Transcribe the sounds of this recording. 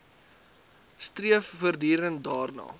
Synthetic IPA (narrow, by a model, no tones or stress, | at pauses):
striəffərdiːɾəndɑːrnɑ̰ː